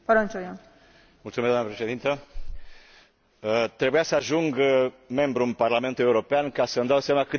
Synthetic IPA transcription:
paɾõnt͡ʃoja | mult̪sumezd̪amnapɾesiðint̪ə | ət̪ɾeβeasaʒuŋɡ | membɾumparlamẽnt̪uewɾopeankasənd̪awsemakɨ

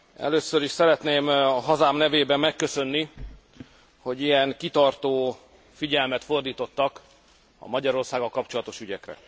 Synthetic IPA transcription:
ɛ̰løːsːøɾiʃsɛɾɛt̪neːmɒɦɒzaːmnɛveːbɛmːɛkːø̞sø̞nːi | ho̞ɟijɛŋkit̪ɒrt̪oː | fiɟɛlmɛt̪fo̞rd̪iːt̪o̞t̪ːɒk | ɒ̰mɒɟɒɾo̞rsaːɡɒlkɒpt͡ʃo̞lɒt̪o̞ʃyɟɛkrɛ̰

